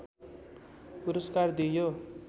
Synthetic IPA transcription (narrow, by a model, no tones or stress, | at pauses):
puɾʌskard̪ijo